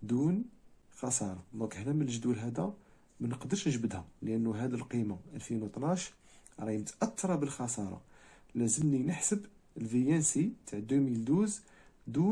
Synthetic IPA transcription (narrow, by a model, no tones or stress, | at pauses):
d̪unxɑsˤɑɾˤɑd̪ækəħnæmənəlʒd̪ulɦæd̪æ | mænəqd̪əɾʃnʒbəd̪hæləʔənːuɦæd̪ilqimaʔælfinwt̪ˤnaʃ | ɾˤɑjmət̪ʔɑt̪ːɑɾˤɑbəlxɑsˤɑɾˤɑ̰ | læzəmninəħsəb | əlfijænsit̪aʕd̪umild̪uz | d̪u